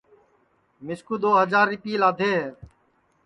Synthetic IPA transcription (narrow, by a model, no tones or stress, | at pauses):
mɪskuːd̪oːɦəd͡ʒaːɾɪpiːlaːd̪ʱeːɦeː